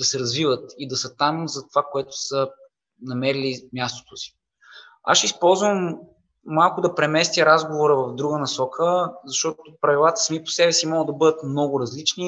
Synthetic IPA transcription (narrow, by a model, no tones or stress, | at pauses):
d̪̥ɐsɛɾɐzvivət̪id̪ɐsət̪amzɐt̪ovakoɛt̪ʊ̥sə | nɐmɛɾilimʲjast̪o̥t̪osi̥ | a̰ʃispɔlˠzvəmː | alˠkʊd̪ɐpɾɛmɛst̪ʲjəɾazɡovoɾəvɐvd̪ɾuɡənɐsɔkʰəzɐʃt̪ɔt̪opɾɐvilˠat̪ə̥smipo̥sɛbɛsimɔɡəd̪ɐbɤd̪ət̪mnɔɡʊɾɐzlit͡ʃni